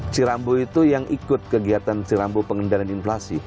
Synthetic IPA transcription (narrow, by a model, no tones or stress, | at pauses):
siɾamboit̪ujaŋʔikʊt̪̚kəɡiat̪ansiɾambopəŋəndalaninflasi